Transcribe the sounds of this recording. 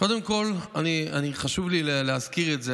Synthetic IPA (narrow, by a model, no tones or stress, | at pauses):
ko̞d̪emko̞lanianiχaʃuvlileleazkiʁetze